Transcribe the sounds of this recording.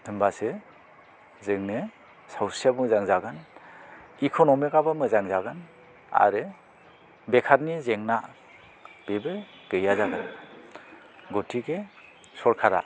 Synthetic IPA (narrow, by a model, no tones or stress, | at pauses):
tʰɯmbase | zɯŋne | sawsiamɯzaŋzaɡan | ikʰonɔmikabamɯzaŋzaɡan | a̰ɾɯ | bekʰaɾnizeŋna | b̥ebɯ | ɡ̥ɯjazaɡan | ɡotʰiɡe | sɔɾkʰaɾa̰